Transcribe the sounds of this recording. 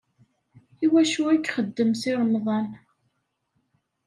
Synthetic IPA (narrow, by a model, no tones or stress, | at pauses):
iwæʃuækːχəd̪ːəmsɪɾəmðˤɑn